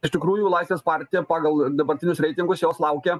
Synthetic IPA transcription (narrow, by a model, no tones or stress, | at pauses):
ɪʃt̪ʲɪkɾuːjuːlˠɐɪsʋʲeːspɑɾʲt̪ʲɪjɛpɑːɡɐlˠd̪ɐbɐɾʲt̪ʲɪnʲʊsɾʲɛɪt̪ʲɪŋɡʊsjoːslˠɐʊkʲe